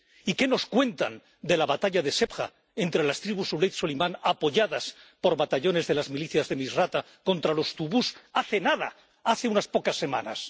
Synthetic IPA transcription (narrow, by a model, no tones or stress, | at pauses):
ike̞no̞skwe̞nt̪an | d̪e̞laβat̪aʎaðe̞se̞pxa̰ | e̞nt̪ɾe̞last̪ɾiβusulejt̪solimãnapo̞ʝaðaspo̞ɾβat̪aʎo̞ne̞zðe̞lazmiliθjazðe̞misrat̪a | ko̞nt̪ɾalo̞st̪uβusaθe̞naða̰ | aθe̞unaspo̞kasːe̞mã̰na̰s